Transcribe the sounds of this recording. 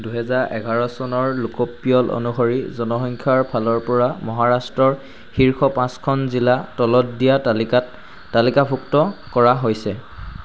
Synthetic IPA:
duɦɛzaɹʔɛɡʱaɹɔsɔnɔɹlukopːijɔlʔo̰nuɦoɹizɔnɔxɔŋkʰaɹpʰalɔɹpɔɹamɔɦaɹastɹɔɹ | xiɹkʰɔpãskʰɔnzilatɔlɔtdijalkt | talikabʰʱuktɔkɔɹaɦojsɛ

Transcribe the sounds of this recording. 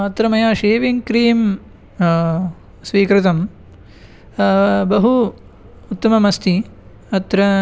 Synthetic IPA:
ɐt̪ːɾɐmɐjaːʃeːʋiŋkɾiːm | sʋiːkɾɪt̪ɐm | bɐɦu | ut̪ːɐmɐmɐst̪ʰi | ɐt̪ɾɐ

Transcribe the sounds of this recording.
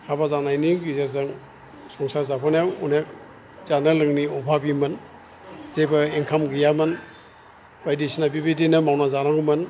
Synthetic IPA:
habazanajniɡizazaŋ | sɔŋsazapʰanjawunek̚ | zanalɯŋniɔbʱabimɯn | zebaeŋkʰamɡijamɯn | bajdisinabibidinɯmawnazanaŋumɯn

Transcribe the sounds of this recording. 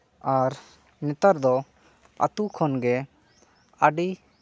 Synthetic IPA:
aɾ | nɛt̪aɾd̪ɔ | a̰t̪ukʰɔnɡɛ | aɖi

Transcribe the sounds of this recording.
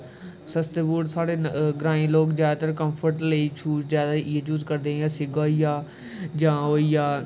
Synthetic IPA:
sɐst̪ebuːɽsaːɽeɡɾãːĩloːkzjaːt̪ɐɾkɐ̃mfʰəɾʈlet͡ʃʰuːzzjaːd̪aiet͡ʃuːzkɐɾd̪ejasɪɡoːijaː | d͡ʒãːoːijaː

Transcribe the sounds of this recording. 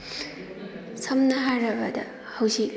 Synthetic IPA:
sʰɐmnɐɦaɾɐbɐd̪ɐ̰ | hawsi

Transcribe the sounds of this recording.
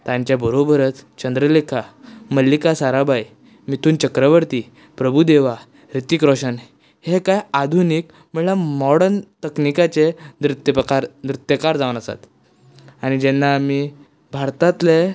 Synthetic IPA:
t̪ãɲt͡ɕjabəɾobʱəɾət͡s̪t͡ɕənd̪ɾəlekʰaməlːikasaɾabaj | mit̪ʰuːnt͡ɕəkɾəʋəɾt̪iː | pɾəbʱud̪eʋa | ɾit̪ikɾɔɕən | hekajad̪ʱuniːk | məɭlamɔɽənt̪əknikat͡sed̪ɾut̪jəpkaɾd̪ɾut̪jəkaɾd͡zaʋnəsa̰t̪ | añid͡ʑɛnːamiː | bʱaɾt̪ãt̪le

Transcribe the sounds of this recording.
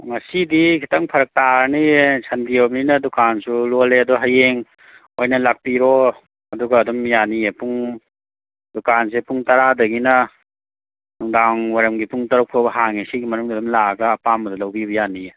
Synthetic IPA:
ŋɐsidikʰi̥tʰɐŋpʰɐɾɐk̚taɾnisʰɐndiobninɐdɔkansuloleɐdɔɡɦɐjeŋ | ojnɐlak̚piɾɔ | ɐduɡɐːdɔmjanijepuŋ | dɔkans̬epuŋtɐɾadɐɡinɐ | nuŋdaŋwaɾɐmɡipuŋtɐɾɔwkʰobɐɦaŋesiɡimɐnuŋdidɔmlaɡɐːpambɐdɐlɐwbibɐjanie

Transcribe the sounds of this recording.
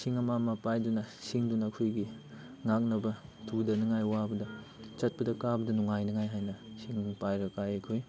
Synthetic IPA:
siŋɐmamɐpajdunɐsiŋdunɐkʰojɡi | ŋak̚nɐbɐtʰudɐnɐŋajwabɐdɐ | t͡ʃɐt̚pɐdɐkabɐdɐnuŋajnɐŋajɦajnɐsiŋpajɾɐkajɐkʰoj

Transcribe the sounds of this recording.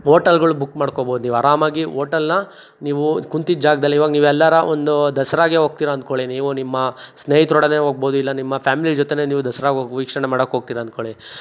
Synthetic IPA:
ɦoːʈɐlɡɐɭubukːmaːɽkoboːd̪uniːʋɐɾaːmaːɡiɦoːʈɐlnɐ | niːʋukunt̪id͡ʒaːɡɐd̪ɐlːiʋaːɡɐniːʋɛlːɐɾɐond̪ud̪ɐsɐɾaːɡeɦoːɡ̚t̪iːɾɐnd̪̚koɭiniːʋunimːɐsneːjit̪ɾɔɽɐne̞ːɦoːɡ̚boːd̪uilːɐnimːɐpʰjaːmilid͡ʒɔt̪ene̞ːniːʋud̪ɐsɐɾaːɡoːɡʋiːkʂɐɳemaːɽɐkːɦoːɡ̚t̪iːɾɐnt̪̚koɭi

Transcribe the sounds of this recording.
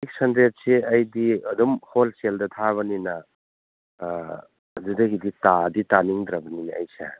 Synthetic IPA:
ik̚sɐndɾet̚seɐjdiɐdɔmholseldɐt̪ʰaβɐninɐ | zudɐɡiditaditaniŋd̪ɾɐbɐninɐ̰jsḛ

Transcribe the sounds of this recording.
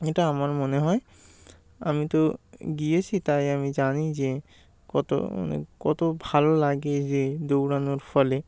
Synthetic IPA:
eʈaamaɾmoneɦɔe | a̰mit̪oɡijet͡ɕʰit̪ajamid͡ʑanid͡ʑe | kɔt̪o̰nḛkɔt̪obʱalolaɡed͡ʑed̪owɾanoɾfɔle

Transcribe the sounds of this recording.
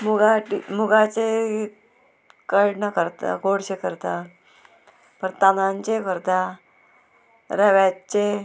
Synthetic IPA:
muɡaʈimuɡat͡se | kəɭnəkəɾt̪a̰ɡoɽɕekəɾt̪a | pəɾt̪anãɲt͡ɕekəɾt̪a | ɾəʋat͡ɕe

